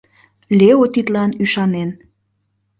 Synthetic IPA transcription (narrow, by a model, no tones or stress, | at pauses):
leot̪it̪lɑnyʃɑnen